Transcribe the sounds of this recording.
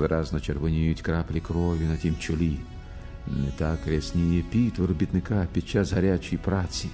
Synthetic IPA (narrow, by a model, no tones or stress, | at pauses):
ʋɪɾɑznɔt͡ʃerʋɔnʲijʊtʲkɾɑplʲikɾɔʋʲinɐtʲimt͡ʃɔlʲi | nɛt̪akɾʲɛsʲnʲijɛpʲit̪ʋɔɾɔbʲit̪nɪkapʲid̥̪̚t͡ʃasɦɐɾʲat͡ʃijpɾat͡sʲi